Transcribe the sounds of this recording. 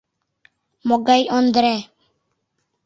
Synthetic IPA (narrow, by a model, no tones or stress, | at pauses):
mɔɡajɔnd̪ɾɛ